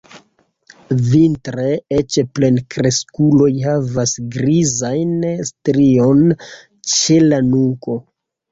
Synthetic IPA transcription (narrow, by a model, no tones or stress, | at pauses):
vintɾeet͡ʃplenkɾe̞skulo̞jhavasɡɾizajnstɾio̞n | t͡ʃelanuŋko̞